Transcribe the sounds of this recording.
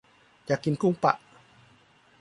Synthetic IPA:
t͡ɕaː˨˩kːi˨nku˥˩˨ŋpa̰˧˨ʔ

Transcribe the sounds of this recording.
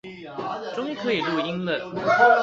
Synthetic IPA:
ʈ͡ʂʊ˥ŋi˥kʰɤ˧˥i˨˩lu˥˩i˥ŋlə˥˩

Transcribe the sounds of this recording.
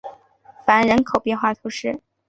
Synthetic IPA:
fa˧˥nɻə˧˥nkʰo˨˩ʊpjɛ˥˧nxwa˥˩t̪ʰu˧˥ʂɻ̩˥˩

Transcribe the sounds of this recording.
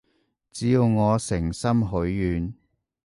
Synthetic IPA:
t͡siː˨˥jwŋɔː˨˧sɪ˨˩ŋsɐ˥mɦɵ˨˥ɥːyː˨˧n

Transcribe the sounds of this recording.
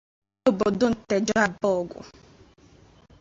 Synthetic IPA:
o˦bo˨dʊ˦n̩˨te˨d͡ʒɔ˦a˨bɔ˦˨ɡʷʊ̰˨

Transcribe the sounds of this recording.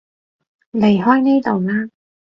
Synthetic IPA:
le˨˩jɦɔː˥jneː˥t̪o˨wlaː˥

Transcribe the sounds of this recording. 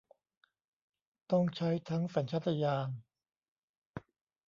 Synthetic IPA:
t̪ɔ˥˩ŋt͡ɕʰa˦˥jt̪ʰa˦˥ŋfa˨˩˦nt͡ɕʰa˦˥t̪ʰːa˧jaː˧ŋ

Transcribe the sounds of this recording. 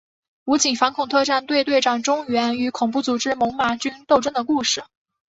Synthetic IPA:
u˧˥t͡ɕi˨˩ŋfɑ˧˥nkʰʊ˨˩ŋt̪ʰɤ˥˧ʈ͡ʂa˥˧nt̪we˥˧ɪt̪we˥˧ɪʈ͡ʂɑ˨˩ŋʈ͡ʂʊ˥ŋɥɛ˧˥ny˧˥kʰʊ˨˩ŋpu˥˩t͡su˨˩ʈ͡ʂɻ̩˥mʊ˧˥ŋma˧˥t͡ɕy˥nt̪o˥˧ʊʈ͡ʂə˥ŋd̪ə˨˩ku˥˧ʂɻ̩˥˩

